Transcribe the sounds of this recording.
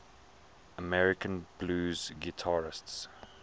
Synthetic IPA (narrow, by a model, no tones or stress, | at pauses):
əmɛɹɪkə̃nb̥luːzɡɪtʰaɹɪsts